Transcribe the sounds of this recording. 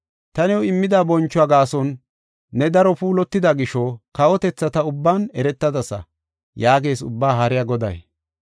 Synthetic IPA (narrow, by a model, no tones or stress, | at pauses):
t̪ɐnɛwɔɪmːɪd̪aːbɔnt͡ʃːʊaɡaːsɔnː | ɛd̪ɐɾɔpuːlɔt̪ːɪd̪ɐɡɪʃɔkɐwɔt̪ɛt͡sːɐt̪ɐʊbːaːnɛɾɛt̪ːɐd̪ɐsɐ̰ | jaːɡeːsʊ̰bːaːɦɐɾɪjɐɡɔd̪ɐ̰j